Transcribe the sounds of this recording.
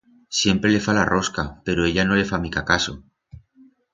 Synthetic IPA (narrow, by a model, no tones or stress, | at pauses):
sje̞mpɾe̞le̞falarʔo̞skape̞ɾoeʎano̞le̞famikakaso̞